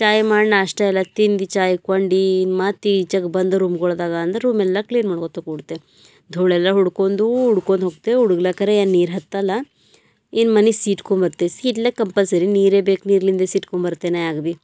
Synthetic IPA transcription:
t͡ʃaːjmaːɽɳaːʂʈɐɛlːɐt̪ind̪it͡ʃaːjkɐɳɖinmaːt̪it͡ʃɐɡbɐnd̪ɐɾuːmɡɔɭd̪aːɡaːnd̪ɾeɾuːmɛlːɐkliːnmaːɽkot̪okuɽt̪ːe | d̪ʱoːɭɛlːɐɦuɽkoːnd̪uuɽkond̪ɦoːɡ̚t̪euɽuɡlɐkɐɾeeːnniːɾɦɐt̪ːɐlːɐ | inmɐnisiːʈkombɐɾt̪esiːʈlekɐmpɐlsɐɾiniːɾeːbeːkniːɾlind̪esiːʈkombɐɾt̪ːenajaːɡbi

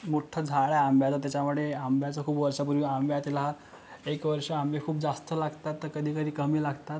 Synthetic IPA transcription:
moʈʰəd͡zʱaɭaambʱjat͡sat̪jat͡ɕamuɽɭeambjat͡səkʰuːpʋəɾʂap̬uɾʋiambjat̪ilaɦat̪ | ekʋəɾʂəambjekʰuːp̚d͡zast̪əlaɡt̪at̪ːəɾkəd̪ʱiːkəd̪ʱiːkəmiːlaɡt̪at̪

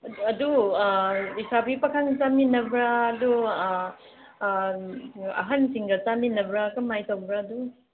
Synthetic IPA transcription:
ɐdu | isabipɐkʰaŋt͡ʃaminɐbɾaːdu | ɐ̰ɦansiŋɡɐt͡ʃaminɐbɾakɐmajtawbɾaːdu

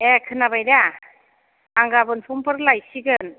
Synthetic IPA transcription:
ekʰɯnabajda | aŋɡabɯnpʰumpʰɯɾlajsiɡɯn

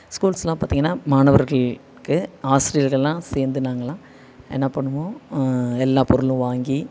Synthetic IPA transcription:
skuːlsɛlãːpaːt̪iːŋɡɐnːaːmaːɳɐʋɐɾɣɐɭ | kɯaːsɪɾɪjɐɾɣɐɭɛlːãːseːɾnd̪ɯnaːŋɡɐlãː | ʔɛ̰nːɐpɐɳːɯmõːɛlːãːpɔɾɯlɯ̃ʋaːŋɡi

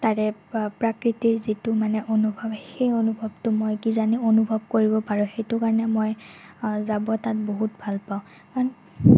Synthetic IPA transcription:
taɹɛpɹakɹitiɹzitʊmanɛʔonubʱɔbxejonubʱɔbtʊmojkizanionubʱɔb̚koɹibɔpaɹɔ̃xejtʊkaɹɔnɛmoj | zabɔtat̚boɦutbʱalpaʊ̃ | an

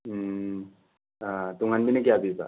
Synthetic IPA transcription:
at̪uŋanbʱinek̬jabiba̰

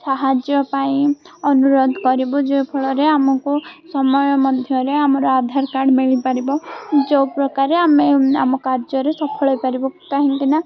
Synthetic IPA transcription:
saɦad͡ʒjɔpaĩ | ɔnuɾod̪ʱkɔɾibɔd͡ʒewpʰɔɭɔɾeamɔkusɔmɔjɔmɔd̪ʱjɔɾeamɔɾɔad̪ʱaɾkaɾɖmiɭipaɾibɔd͡ʒewpɾɔkaɾeamea̰mɔkaɾd͡ʒɔɾesɔpʰɔɭɔjpaɾibɔkaɦĩŋkina

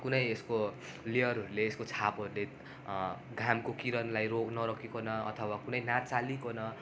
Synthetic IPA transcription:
kunʌjesko | liʌɾɦʌɾuleːskot͡sʰapɦʌɾule | ɡʱamkokiɾʌnlajroknʌɾʌkʰekonʌʌ̰t̪ʰʌwakunʌjnat͡salikonʌ

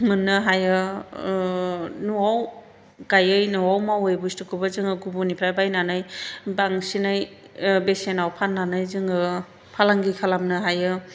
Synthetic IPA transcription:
mɯnːɯɦajɯ | nuaw | ɡ̥ajɯjnuwawmawɯjbustɯkʰɯbazɯŋɯɡubunipʰɾajbajnanɯjbaŋsinaj | besenawpʰanːanɯjzɯŋɯ | pʰalaŋɡikʰalamnɯɦajɯ

